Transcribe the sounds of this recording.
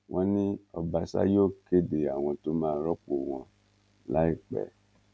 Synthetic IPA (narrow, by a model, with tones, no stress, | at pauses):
w̃ʔɔ̃˧nĩ˦ɔ˧ba˧sa̰˦joː˦˨ke˦de˨a˨w̃ɔ̃˧to˦mãː˦˨˦ɾɔ˦k͡po˨w̃ɔ̃˧ | la˨˦i˦˨k͡pɛ̰˨